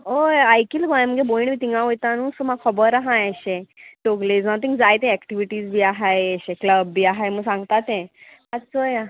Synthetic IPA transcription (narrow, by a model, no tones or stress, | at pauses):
ojajkilɡɔ̃jm̤əɡeboiɳbit̪iŋɡãʋəjt̪ãnũːsomakʰəbəɾaɦãjəɕẽʈ̪oɡled͡znɔt̪ĩŋɡd͡zajt̪ẽɛkʈiʋiʈiːd͡zbʱiːaɦajeɕẽkləbːiːaɦajməɡsãŋɡt̪at̪ẽ | at͡soja